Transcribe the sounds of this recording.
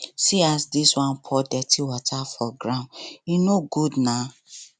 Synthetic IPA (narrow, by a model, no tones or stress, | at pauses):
siasdiswãnpʰɔdɛtʰiwɔtʰafɔɡɹãninoɡudna